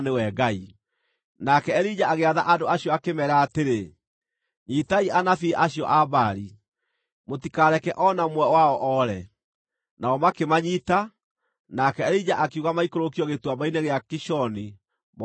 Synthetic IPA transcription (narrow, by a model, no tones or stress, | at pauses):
newɛɡai | nakɛɛɾid͡ʑaaɣeaðaʔadoaɕjɔakemɛɾaːteɾe | ɲitaiʔanafiʔaɕjɔʔaβaɾi | motikaɾɛkɛʔɔnamwɛwaɔʔɔɾɛ | naɔmakemaɲita | nakɛːɾid͡ʑaʔakeuɣamaikoɾokiɔɣetwabaineɣeakiʃɔni | m